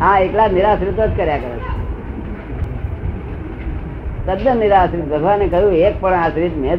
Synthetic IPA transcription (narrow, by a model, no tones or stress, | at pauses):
ɦãeklaniɾaːsɾit̪od͡ʒkəɾjakəɾət͡ʃʰ | t̪əd̪jəniɾaːsɾit̪bʱəɡʱʋanekəjũeːk̚pəɽasɾit̪me